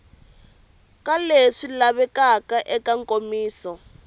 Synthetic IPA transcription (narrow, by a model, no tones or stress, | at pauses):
kaleʂilaβɛkakaʔɛkaŋkʼomiːsɔ